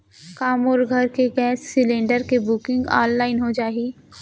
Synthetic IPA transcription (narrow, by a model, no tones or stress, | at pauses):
kaːmoːɾɡʱɐɾkeɡɛːsːɪlẽːɳɖəɾkebʊːkɪ̃ŋɡa̰ːnlaːɪnɦod͡ʒaːɦiː